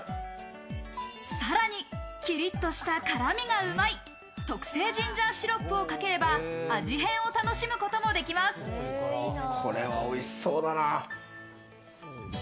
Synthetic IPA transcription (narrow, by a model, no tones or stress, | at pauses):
saɾaɲ̟ikʲiɾʲit̪ːo̞ɕi̥t̪akaɾamʲiɡaɯ̟mai | t̪o̞kɯ̥se̞ːd͡ʑĩɲ̟d͡ʑãɰ̃ɕiɾo̞pːɯo̞kake̞ɾe̞baːʑiɦẽ̞ɰ̃o̞t̪ano̞ɕimɯ̟ko̞t̪o̞mo̞d̪e̞kʲimasɨ̥ | kʰo̞ɾe̞βaoisːo̞ːd̪ana